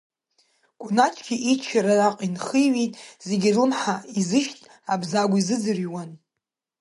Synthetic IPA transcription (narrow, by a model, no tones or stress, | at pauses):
kʷʼʊnat͡ʃʰɡʲiʔit͡ʃʰaɾaraqʼinχɨɥitʼze̞ɡʲirunħaizɨʃtʼ | abzaɡʷizɨd͡zɨrjwan